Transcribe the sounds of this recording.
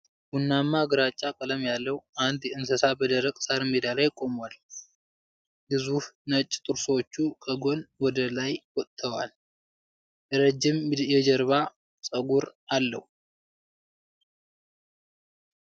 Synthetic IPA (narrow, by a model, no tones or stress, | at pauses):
bunːamːaɡɨɾat͡ʃʼːakʼələmjalːəwʔand̪jɛɨnsəsabəd̪əɾəkʼsaɾmed̪alajkʼo̞mwal | bɨzuhnət͡ʃʼːt̪ʼɨɾswot͡ʃːukʰəɡo̞nwɔd̪əlajwɔt̪ʼt̪ʰːəwal | ʔɛɾəd͡ʒːɪmjɛd͡ʒɛɾβa | sʼəɡuɾʔalːə̰hu